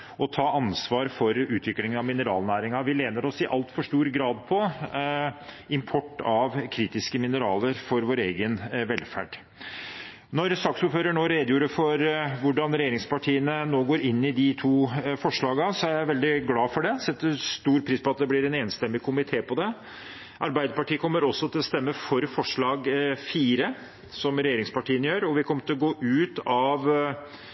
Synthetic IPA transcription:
ʔɔt̪ʰɑːɑnsʋɑːɾfɔɾʉːt̪ʰʋɪkːlɪŋənɑʋmɪnəɾɑːlnæːɾɪŋɑʋɪleːnəɾɔsɪʔɑlt̪fɔʂʈuːɾɡɾɑːd̪pʰɔ | ɪmpʰɔʈːɑʋkʰɾiːt̪ɪskəmɪnəɾɑːləɾfɔɾʋoːɾeːɡənʋɛlfæ̰ɖ̥ | nɔɾsɑksʊːpføːɾəɳoːɾeːd̪juːɾəfɔɾʋʊɖɑnɾɛjeːɾɪŋspɑʈʰiːənənoːɡoːɾɪnːɪd̪ɪt̪ʰuːfɔʂɭɑːɡɑsɔæɾjæɪʋɛld̪ɪɡlɑːfɔɖɛsɛt̪ːəst̪uːɾpʰɾiːspɔɑt̪̚d̪ɛblɪɾɛneːnst̪ɛmːɪkʰʊmɪt̪ʰeːpɔd̪ɛ | ʔɑɾbæɪd̪əpɑʈiːəkʰɔmːəɾɔsːɔt̪ɪlɔst̪ɛmːəfɔɾfɔʂɭɑːɡfiːɾə | sɔmɾɛjeːɾɪŋspɑʈʰiːənjøːɾɔʋɪkʰɔmːəʈ̪ʰɪlɔɡoːʔʉːt̪ɑʋ

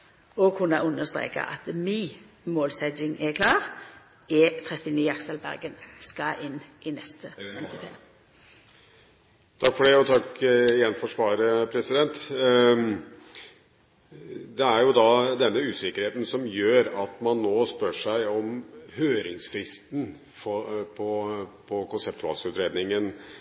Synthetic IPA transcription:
ɔɡhʊnæʁʉnːəst̪ʁḛːkɑ̰ʔɑt̪miː | moːlsɛd͡ʒɪŋɛkʰlɑːʁ | ɛt̪ʰʁɛt̪ɪniːɑksəlbæ̰ʁɡənskɑʔɪnːʔɪnɛst̪ʰəɛnt̪ɪfʰḛː | t̪ʰɑkːfɔɖɛɔt̪ʰɑkɪjɛnfɔʂʋɑːɾəpʰɾɛsɪd̪ɛnt̪ | d̪ɛæɾjʊd̪ɑd̪ɛnːəʉːsɪkəɾheːt̪n̩sɔmjøːɾɑt̪mɑnːoːspœʂæɪɔmhøːɾɪŋsfɾɪst̪n̩ | fɔpʰɔpʰɔkʊnsɛp̚t̪ʊɑ̰lsʉt̪ɾeːd̪nɪŋən

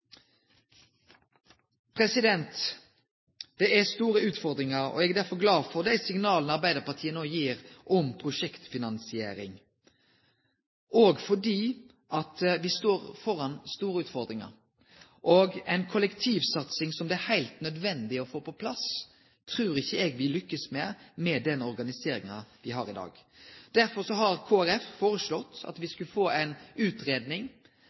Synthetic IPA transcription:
pʰɾɛsɪd̪ɛnt̪ | d̪̥ɛæst̪uːɾəʉːt̪fɔʁd̪ɾɪŋɑɾɔ̰ɛɡd̪æɾfɔɡlɑːʋfɔd̪æɪsɪŋnɑːln̩ɑʁbæɪd̪əʁpɑt̪ʰiːənoːjiːɾʔɔmpʰʁʊʃɛkt̪fɪnɑnsɪḛːɾɪ̰ŋ | ʔoːɡfɔɖiː | ʔɑt̪ʋɪst̪oːʁfɔɾɑnst̪uːɾəʉːt̪fɔɾd̪ɾɪŋɑ̰ɾ | ʔɔɡɛɪnkʰʊlɛkt̪ʰiːʋsɑt̪sɪŋsɔmd̪ɛæɾhæɪlt̪nœd̪ʋɛnd̪ɪɔfoːpɔpʰlɑs | t̪ʰɾʉːɾɪçːəɛɡʋɪlʏkːəsmɛmɛd̪ɛnɔɾɡɑnɪseːɾɪŋɑʋɪɦɑɾɪd̪ɑ̰ːɡd̪̥æɾfɔɾsɔɦɑɾkʰoːæɾɛffoːɾəslɔt̪ːɑ̰t̪ʋɪskʉfoːæɪnʉːt̪ɾeːd̪nɪŋ

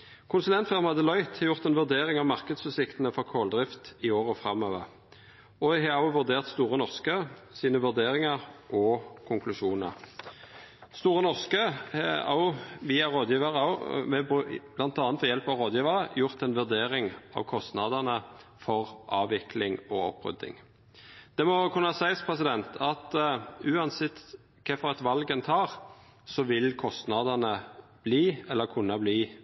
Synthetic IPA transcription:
kʰʊnsʉlɛnt̪fɛʁmɑd̪əlɔʏt̪hɑjʊʁt̪ɛnʋʉʁd̪eːʁɪŋɑʋmɑʁkəd̪sʉsɪkt̪ənəfɔʁkʰoːld̪ʁɪft̪ɪoːʁəfʁɑmøːʋəʁ | ɔhɑɑʊʋʉd̪eːʁt̪st̪uːʁənɔʁskəsiːnəʋʉʁd̪eːʁɪŋɑʁʔɔkʰʊŋklʉʃuːnə̰ʁ | st̪uːʁənɔʁskəhɛɑ̰ʊʋiːɑʁoːd̪jiːʋəʁəɑmɛbb̥lɑnt̪ɑːnfɔjɛlpɑʋʁoːd̪jiːʋəʁəjʊʁt̪ɛnʋʉʁd̪eːʁɪŋʔɑ̰ʋkʰɔst̪nɑd̪ənə | fɔʁʔɑːʋɪkʰlɪŋɔɔ̰pːʁʏ̰d̪ːɪ̰ŋ | d̪̥ɛmɔkʰʉnːəsæɪspʰʁɛs̬ɪd̪ɛnt̪ʰɑt̪ʉːɑnsɪt̪ | kʰɛfɔʁɑt̪ʋɑlɡənt̪ʰɑːʁ | sɔʋɪlkʰɔst̪nɑd̪ənəb̥liːɛlːəkʰʉnːɑbliː

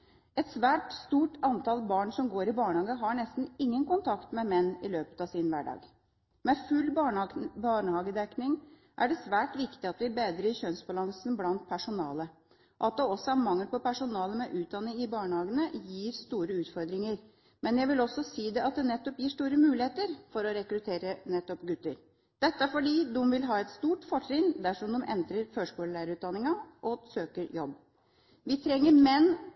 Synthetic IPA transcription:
ɛt̪sʋæːʈst̪uːʈɑnt̪ʰɑlbɑːɳsɔmɡoːɾɪbɑːɳəhɑːɡəɦɑɳɛst̪n̩ɪŋːənkʊnt̪ʰɑkt̪mɛmɛnːɪløːpə̥t̪ɑʋsɪnʋæ̰ːɖɑ̰ːɡ | mɛfʉlbɑɳbɑɳəhɑːɡəd̪ɛknɪŋ | ʔæɖɛsʋæːʈʋɪkt̪ɪɑt̪ʋɪbeːd̪ɾəɪçœnsbɑlɑŋsnblɑnt̪̚pʰæʂʊnɑ̰ːlə | ɔʔɑt̪̚d̪ɛɔsɔæɾmɑŋːəpɔpæʂʊnɑːləmɛʔʉːt̪̚d̪ɑnːɪŋɪbɑːɳəhɑːɡənəjiːɾst̪uːɾəʉːt̪fɔɾd̪ɾɪŋəɾ | mɛnjæɡʋɪlɔsːɔsiːd̪ɛɑt̪̚d̪ɛnɛt̪ːɔpjiːʂt̪uːɾəmʉːlɪheːt̪əɾfɔɾɔɾɛkɾʉt̪ʰeːɾənɛt̪ːɔpɡʉt̪ːəɾ | d̪̥ɛt̪ːəæfɔɖiːd̪ʊmʋɪlɦɑːɛt̪st̪uːʈfɔʈɾɪnd̪æʂɔmd̪ɔmʔɛ̰nd̪ɾəɾføːʂkuːləlæːɾəʉːt̪d̪ɑnːɪŋɑʔɔsøːkəɾjɔbː | ʋɪt̪ʰɾɛŋːəɾmɛnː

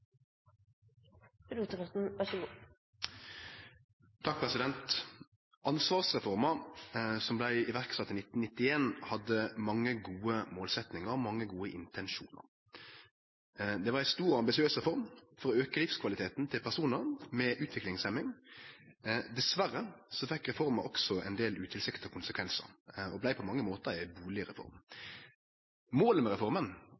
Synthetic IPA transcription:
ɾuːt̪əkɑn̩ʋɑʂɡu | t̪ʰɑk̚pʰɾɛsɪd̪ɛnt̪ | ʔɑnsʋɑːʁsʁɛfɔʁmɑsɔmblæɪɪʋæʁksɑt̪ːɪnɪt̪ːn̩nɪt̪ːɪeːnhɑd̪əmɑŋːəɡuːəmoːlsɛt̪nɪŋəʁɔmɑŋːəɡuːəʔɪnt̪ʰɛnʃṵːnə̰ʁ | d̪ɛʋɑɾæɪst̪uːɾɔɑmbɪsɪøːsʁɛfɔɾmfɔɾɔøːkəlɪfskʰʋɑlɪt̪ʰeːt̪nt̪ʰɪlpʰæʁsuːnəɾmɛʔʉːt̪ʋɪklɪŋsɛmɪŋ | d̪ɛsʋæɾːəsɔfɛkːʁɛfɔɾməɔksɔɛ̰nd̪eːlʉːt̪ʰɪlsɪkt̪ɪɔkʊnsəkʰʋɛnsə̰ɾɔblæɪpʰɔmɑŋːəmoːt̪əʁɪæbuːlɪɾɛfɔ̰ɾm | moːləmɛɾɛfɔɾmən

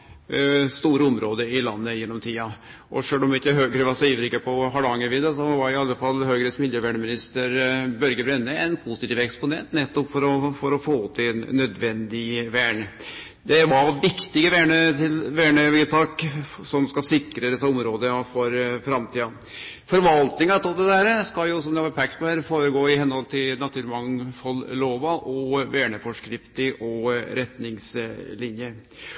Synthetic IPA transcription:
st̪uːɾəɔmɾoːd̪əɪlɑnːəjɛnːɔmt̪ʰiːɑ | ʔɔʂøːlɔmʋt̪ːəɦøːɡɾəʋɑsɔiːʋəɾɪkːəpʰɔɦɑɖɑŋəʋɪːd̪əsɔʋɑɾɪɑlːəfɑlːhøːɡɾəsmɪljəʋæːɳəmɪnɪst̪əɾbœɾɡəbɾɛnːəɛnpʰʊsɪt̪iːʋɛkspʊnɛ̰nt̪nɛt̪ːɔpfɔɾɔfɔɾɔfoːt̪ʰːɪnːœd̪ʋɛnd̪ɪʋæːɳə | d̪ɛʋɑʋɪkt̪ɪɡəʋæːɳət̪ʰɪlʋæːɳəʋɪlt̪ʰɑːksɔmskɑsɪkːɾəd̪ɛsːɑɔmɾoːd̪əfɔɾfɾɑmt̪ʰiːɑ | fɔɾʋɑlt̪nɪŋɑt̪ʰɔld̪ɛd̪æɾəskɑljʊsɔmd̪ɛʋɑɾpʰɛkt̪̚pɔhæːɾfoːɾəɡoːɪhɛnhɔlt̪ʰɪlnɑt̪ʰʉːɾmɑŋfɔlloːʋɑʔɔʋæːɳəfɔʂkɾɪft̪ɪʔɔɾɛt̪nɪŋslɪnjə

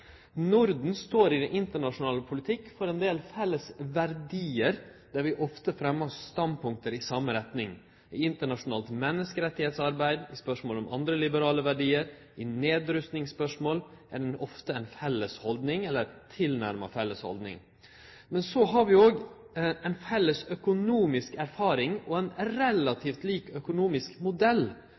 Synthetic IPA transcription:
nʊɾd̪n̩st̪oːɾɪd̪ɛnɪnt̪əɳɑʂʊnɑːləpʰʊlɪt̪ʰɪkːfɔɾɛnd̪eːlfɛlːəsʋæɾd̪iːəɾ | d̪̥æɾʋɪʔɔft̪əfɾɛmːəɔsst̪ɑnpʊŋk̚t̪əɾɪsɑmːəɾɛt̪nɪŋ | ɪɪnt̪əɳɑʂʊnɑːlt̪mɛnːəskəɾɛt̪ːɪheːt̪sɑɾbæɪd̪ɪspœʂmoːlɔmʔɑ̰nd̪ɾəlɪbəɾɑːləʋæɖiːəɾ | ɪneːd̪ɾʉst̪nɪŋsːpœʂmoːlʔæɖɛnɔft̪əæɪnfɛlːəshɔld̪nɪŋɛlːəɾt̪ʰɪlnæɾmɑ̰fɛlːəshɔ̰ld̪nɪ̰ŋ | mɛnsɔɦɑɾʋɪoːɡ | ɛɪnfɛlːəsœkʊnuːmɪskæɾfɑːɾɪŋɔɛɪnɾɛlɑt̪ʰiːft̪liːkœkʊnuːmɪskmʊd̪ɛlː

